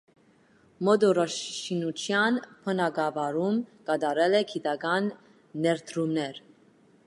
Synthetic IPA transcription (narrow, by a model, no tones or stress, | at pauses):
mɔd̪ɔɾɔʃʃinut͡ʃʰjɑnpʰənɑɡɑvɑɾumkɑd̪ɑɾɛlɛkʰid̪ɑɡɑnː | ɛɾt̪ʰɾumnɛɾ